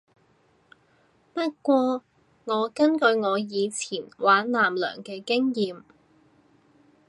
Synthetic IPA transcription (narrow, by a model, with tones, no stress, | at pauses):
pɐ˥t̚kʷwɔː˧ | ŋɔː˨˧kɐ˥nkɵ˨˧ɥŋɔː˨˧jiː˨˧t͡sʰiː˨˩nwaː˨˥nlaː˨˩mlœ̰ː˨˩ŋkɛː˧kɪ˥ŋjiː˨m